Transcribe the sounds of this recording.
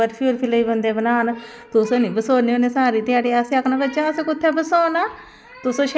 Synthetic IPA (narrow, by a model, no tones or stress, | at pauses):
əɾpʰjuːɾpʰiləiːbənd̪eːbənaːn | t̪ʊsõːnĩːbəsoːneonẽːsaːɾiːt̪ɪjaːɽiːaːseːəkʰnaːbəd͡ʒãːsẽːkʊt̪ʰːeːbəsoːnaː | t̪ʊsõːʃ